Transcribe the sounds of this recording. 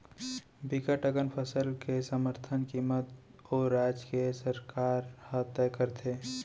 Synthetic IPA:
bikəʈəɡənpʰəsəlkesəməɾt̪ʰənkiːmət̪ | ɔːɾːaːd͡ʒkesəɾkaːɾhət̪ɛːkəɾt̪ʰeː

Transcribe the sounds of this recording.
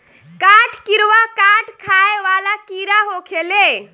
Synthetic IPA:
kaʈʰkiɾʋakaʈʰkʰaeʋalakiɾaɦokʰele

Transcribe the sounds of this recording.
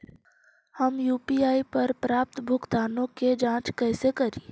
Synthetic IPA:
hɐmjuːpiaːipɐɾpɾaːp̚t̪bʱʊɡt̪aːnõked͡ʒãːt͡ʃkɛːsekɐɾiː

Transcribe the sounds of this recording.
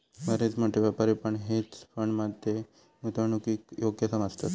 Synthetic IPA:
ʋəɾet͡sm̤əʈ̪eʋapəɾepəɳɦet͡sfəɳmad̪ːe | mut̪əɳukiːkjoɡjəsəməst̪a̰t̪

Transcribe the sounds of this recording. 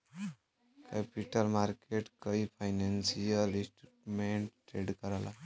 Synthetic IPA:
kepiʈəlmaɾkeʈkəipʰajnansijəlĩsʈuʈmeɳʈːɾeɖkəɾəla

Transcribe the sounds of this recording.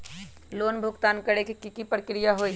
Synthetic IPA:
loːnbʱʊɡt̪aːnkəɽekikikipɾəkɾijaɦoːi

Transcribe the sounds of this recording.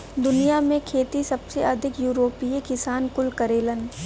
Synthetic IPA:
d̪ʊnijamẽkʰeːt̪isɐbseɐd̪ʱɪkjuːɾoːpiekɪsaːnkʊlkəɾeːlən

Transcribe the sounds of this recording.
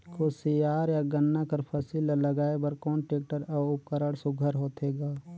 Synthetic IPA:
kosijaːɾjaɡənːakəɾpʰəsiːlaləɡaːebəɾkɔːnʈeːk̚ʈəɾɔːʊp̚kəɾəɽsʊɡʱəɾɦoːt̪eːɡaː

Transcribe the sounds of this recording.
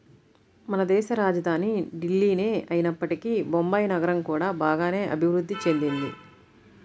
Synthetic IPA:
mɐnɐd̪ɛːʃɐɾaːd͡ʒɐd̪ʱaːniɖilːiːneːɐjinɐpːɐʈikibombɐjnɐɡɐɾɐmkuːɽaːbaːɡaːne̞ːʔɐ̰bʱiʋɾud̪ːit͡ʃe̞nd̪ind̪i

